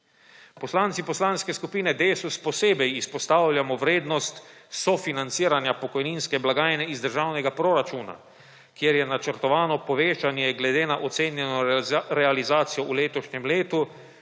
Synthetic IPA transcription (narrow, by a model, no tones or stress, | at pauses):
pɔslaːnt̪sipɔslanskɛskupiːnɛd̪eːsuspɔseːbɛjispɔst̪aːwlʲjamɔʋɾeːd̪nɔst̪sɔfinant̪siːɾanjapɔkɔjninskɛblaɡaːjnɛizd̪əɾʒaːwnɛɡapɾɔɾat͡ʃuːna̰ | kjeɾjɛnat͡ʃəɾt̪ɔʋaːnɔpɔʋeːt͡ʃanjɛɡlɛd̪eːnaʔɔt̪seːnjɛnɔɾɛalizaːt̪sijɔʔuleːt̪ɔʃɲɛmleːt̪u